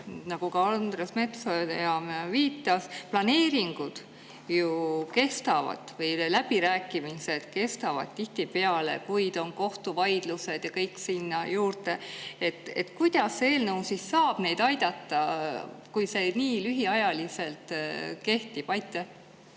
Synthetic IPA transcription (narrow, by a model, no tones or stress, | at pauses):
nɑɡ̥ukɑɑnd̪̥resme̞t̪sod̪jɑmviːt̪ˑːɑsplɑne̞ːɾiŋɡ̥ud̪̥ | juke̞st̪ɑvɑ̰d̪vɤjlæb̥iɾæːkːˑimise̞d̪̥ke̞st̪ɑvɑ̰d̪̥̚t̪iht̪ipe̞ɑle̞̰kujd̪̥o̞nko̞ht̪uvɑjd̪̥luse̞d̪̥jɑkɤ̞jksinːɑjuːrt̪e̞e̞t̪ːe̞t̪ːkujd̪̥ɑsːee̞ːlnɤwsisːɑːb̥ne̞jd̪ɑjd̪ɑt̪ːɑkujse̞niːlyɦiɑjɑlise̞lt̪ke̞ht̪ib̥ɑjt̪ːˑe